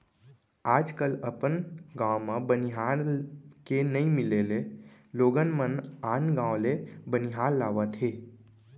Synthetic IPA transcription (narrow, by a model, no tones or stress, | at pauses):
aːd͡ʒkələpənɡãwmãbəniɦaɾkenəĩmileleloːɡənmənaːnɡãwlebəniɦaɾlːaːʋət̪ɦe